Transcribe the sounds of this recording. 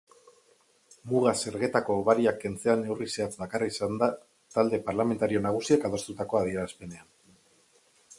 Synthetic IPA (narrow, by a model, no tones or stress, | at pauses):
muɣ̞ase̞ɾɣe̞t̪ako̞ːβaɾiakːe̞nt͡se̞ane̞wrise̞at͡sd̪akaraisand̪a | t̪ald̪e̞paɾlame̞nt̪aɾio̞naɣ̞usiakað̞o̞st̪ut̪ako̞að̞ie̞ɾaspe̞ne̞an